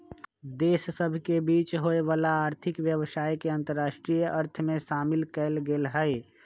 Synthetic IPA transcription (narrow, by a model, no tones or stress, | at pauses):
d̪eːssəbʱkebiːt͡ʃɦoeʋaːlaːɾt̪ʰɪkʋjəʋsaːjkeə̃nt̪əɾːaːʃʈɾijʔəɾt̪ʰmẽʃaːmɪlkɛlɡeːlɦəj